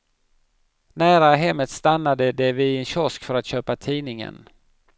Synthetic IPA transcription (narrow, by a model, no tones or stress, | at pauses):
næːɾaɦɛmːət̪st̪anːad̪əd̪ɛvɪɛnɕɔskfœɾat̪ɕøːpat̪ʰiːnɪŋə̰n